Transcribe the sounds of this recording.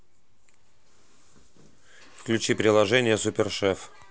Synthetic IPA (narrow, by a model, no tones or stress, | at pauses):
fklʲʉt͡ɕipɾʲɪlˠɐʐɛnʲɪjəsʊpʲɪrʂɛf